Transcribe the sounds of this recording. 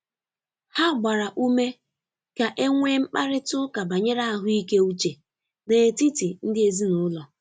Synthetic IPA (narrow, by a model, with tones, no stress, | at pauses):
ha˦ɡ͡ba˨ɾa˨ʔu˦me˦ | ka˨ʔe˦ŋʷe˦ŋ͡m̩˦k͡pa˦ɾɪ˦tʊ˦ka˨ba˨ɲe˦ɾa˦a˦ɦʊ˦i˦ke˦u˦t͡ʃe˨ | ne˨ti˦ti˨n̩˦dɪ˦e˨zi˦nʊ˨˦lɔ˨